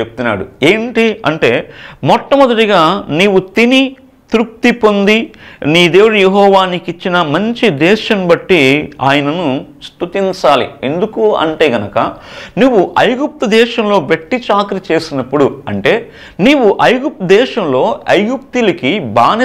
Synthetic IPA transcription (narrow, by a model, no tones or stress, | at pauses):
epu̥t̪unːa̰ːɽṵe̞ːɳʈiɐ̰ɳʈe̞ːmɔʈːɐmɔd̪ɐʈiɡaːniːwut̪ini | t̪ɾuk̚t̪ipo̞nd̪iniːd̪eːʋɐɽɐjeɦɔːʋaːnikit͡ʃːinɐmɐɲt͡ʃid̪ɛːʃɐmbɐʈːiaːjɐnɐnust̪ut̪iɲt͡ʃaːlḭend̪ukuɐ̰ɳʈe̞ːɡɐnɐkɐnuʋːuʔɐjɡup̚t̪ud̪ɛːʃɐmlo̞ːʋeʈːit͡ʃaːkɾit͡ʃe̞ːsinɐpːuɽuɐɳʈe̞ː | niːʋuʔɐjɡup̚t̪ɐd̪ɛːʃɐmlo̞ːɐjɡup̚t̪ulɐkibaːn